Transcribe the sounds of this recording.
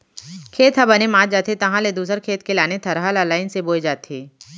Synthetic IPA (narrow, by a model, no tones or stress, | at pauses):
kʰeːt̪ɦɐbɐnemãːd͡ʒaːt̪ʰet̪ɐɦãled̪uːsəɾkʰeːt̪kelaːnet̪ʰɐɾɦalalaːɪnseboːjd͡ʒaːt̪iː